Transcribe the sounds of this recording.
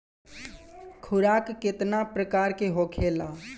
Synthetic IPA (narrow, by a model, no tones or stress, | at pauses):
kʰʊɾaːkːɪt̪napɾəkaːɾkeɦoːkʰeːlaː